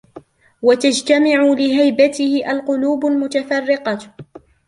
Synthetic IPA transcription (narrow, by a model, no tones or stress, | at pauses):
wat̪ad͡ʒt̪amaʕʊlɪɦajbat̪ɪhɪʔalqʊluːbʊlmʊt̪afɑrːɪqɑ